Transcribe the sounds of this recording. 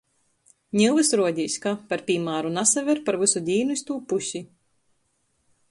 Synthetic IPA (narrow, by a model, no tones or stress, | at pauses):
ɲʲilˠvɨsɾuɔd̪ʲiːsʲkapaɾpʲiːmaːɾunasavʲɛɾpaɾvɨsud̪ʲiːnuist̪uːpusʲi